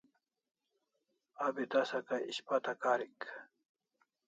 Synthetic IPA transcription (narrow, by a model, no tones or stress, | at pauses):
abit̪ɐsɐkaiɕpat̪ɐkaːɾik